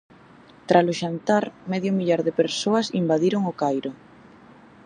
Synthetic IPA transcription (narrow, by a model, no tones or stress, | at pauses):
t̪ɾʔasloʃant̪aɾmɛðjʊmiʎaɾðepeɾsoasḭmbaðiɾoŋokajɾo